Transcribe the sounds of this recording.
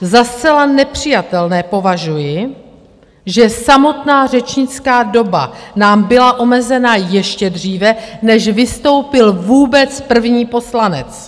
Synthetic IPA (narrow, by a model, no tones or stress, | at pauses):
zast͡sɛlanɛpr̝̥ɪjat̪ɛlnɛːpo̞vaʒujɪ | ʒɛsamo̞t̪naːr̝ɛt͡ʃɲɪt͡skaːdo̞ba̰naːmbɪlaʔo̞mɛzɛnajɛʃcɛdr̝iːvɛnɛʒvɪst̪o̞wpɪlvuːbɛt͡spr̩vɲiːpo̞slanɛ̰t͡s